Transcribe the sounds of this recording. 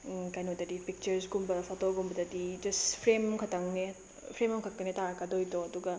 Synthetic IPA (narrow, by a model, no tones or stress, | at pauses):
kajnodɐdipik̚t͡ʃɐɾsɡumbɐpʰotoɡumbɐdɐdid͡ʒɐspʰɾemɐmkʰɐtɐŋne | pʰɾemɐmkʰɐk̚kɐnetaɾɐkːɐdojtoɐduɡɐ